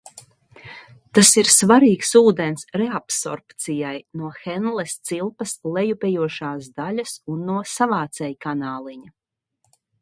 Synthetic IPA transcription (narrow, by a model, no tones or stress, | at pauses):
t̪asiɾsvaɾiːksuːd̪ɛnsɾɛapsɔ̰ɾpt̪sijajnuɔxɛnlˠɛst̪silˠpɐslˠɛjupʲɛjuɔʃaːsd̪aʎasunːuɔsavaːt̪sɛjkanaːlˠiɲa